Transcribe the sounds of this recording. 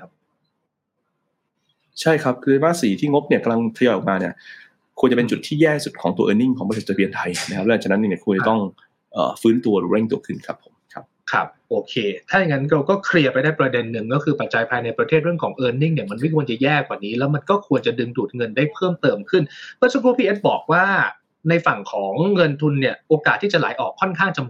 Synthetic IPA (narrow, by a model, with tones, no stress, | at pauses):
a˦˥ | t͡ɕʰa˥˩jkʰa˦˥p̚kʰɯː˧baː˧˥siː˨˩˦t̪ʰiː˥˩ŋo˦˥p̚ni˥˩ka˧mla˧ŋt̪ʰa˧jɔː˧jʔɔ˨˩kmaː˧ni˥˩ɐ | kʰu˧nt͡ɕa˨˩pe˧nt͡ɕu˨˩t̪ʰːiː˥˩jɛː˥˩su˨˩kʰɔː˩˦ŋu˧ɐʔɤː˧ni˥˩ŋkʰɔː˩˦p̪ʰe˥˩t͡ɕːbi˧ənt̪ʰa˧jna˦˥kʰa˥la˧˦˩t͡ɕa˨˩na˦˥ni˥˩ni˧˩ku˧nt͡ɕa˨˩t̪ɔ˥˩ŋ | ʔɤ̰ː˨˩fɯː˦˥nt̪u˧ɐɾuː˨˦ɾe˥˩ŋt̪u˧ɐkʰɯ˥˩nkʰɾa˦˥pʰːo˩˦mkʰa˦˥p̚kʰɾa̰˦˥p̚ʔoː˧kʰeː˧t̪ʰaː˥˩ja˨˩ŋːa˦˥nka˧wkɔː˥˩kʰɾi˧ɐpa˧jdaː˥˩jpɾa˧de˧nːɯ˨˩ŋkɔː˥˩kʰɯː˧pa˨˩t̪̚t͡ɕa˧jpʰaː˧jna˧jpɾa˧t̪ʰeː˥˩ɾɯ˥˩əŋkʰɔː˩˦ŋʔɤː˧ni˥˩ŋni˥˩ma˧nma˥˩jkʰu˧ənt͡ɕa˨˩jɛː˥˩kwaː˨˩niː˦˥lɛ˦˥wma˧nkɔː˥˩kʰu˧ənt͡ɕa˨˩dɯ˧ŋduː˨˩t̪̚ŋɤ˧ndaː˥˩jpʰɤː˥˩mt̪ɤː˧mkʰɯ˥˩npʰɛː˦˥sa˧pʰuː˧˥pʰiː˧ʔe˦˥t̪̚bɔː˨˩k̚waː˥˩ | na˧jfa˨˩ŋkʰɔː˩˦ŋːɤ˧nt̪ʰu˧nːi˥˩ɐʔoː˧kaː˨˩t̪ʰːiː˥˩t͡ɕa˨˩la̰ː˩˦jʔɔː˨˩kʰːɔ˥˩nkʰaː˥˩ŋt͡ɕa˧m